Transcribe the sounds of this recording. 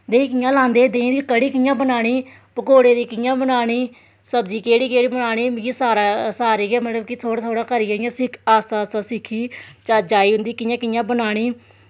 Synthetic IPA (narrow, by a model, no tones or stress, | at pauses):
d̪eːĩːkɪjãːlãːnd̪eːd̪ẽːd̪iːkəɽiːkɪjãːbənaːɽ̃iː | pəkoːɽeːd̪iːkɪjãːbənaːɽ̃iː | səbd͡ʒiːkeːɽiːkeːɽiːbənaːɽ̃iːjisaːɾaːsaːɾiːɡɛːmət̪ləbkɪt̪ʰoːɽaːt̪ʰoːɽaːkəɾiːaːɪjãːsɪkʰaːst̪aːst̪aːsɪkʰːiːt͡ʃaːd͡ʒaːiːɦʊ̃nd̪iːkɪjãːkɪjãːbənaːɽ̃iː